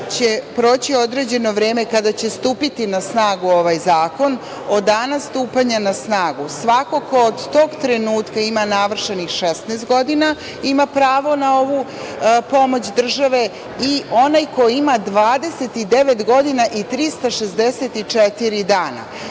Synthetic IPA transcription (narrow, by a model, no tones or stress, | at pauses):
t͡ɕe̞pɾo̞ːt͡ɕio̞d̪ɾe̞d͡ʑe̞no̞ʋɾe̞ːme̞kad̪at͡ɕe̞st̪uːpit̪inasnaːɡuo̞ʋajzaːko̞n | o̞d̪anast̪uːpaɲanasnaːɡusʋako̞ko̞ːd̪t̪o̞ːɡt̪ɾe̞nuːt̪kaimanaʋr̩ʃenixʃest̪nɛːst̪̚ɡo̞d̪ina | imapɾaːʋo̞nao̞ʋu | po̞mo̞t͡ɕd̪r̩ʒaʋe̞ | io̞najko̞imad̪ʋaːd̪e̞se̞t̪id̪e̞ʋet̪ɡo̞d̪inaʔit̪ɾist̪aʃezd̪eset̪it͡ʂet̪iɾid̪aːna̰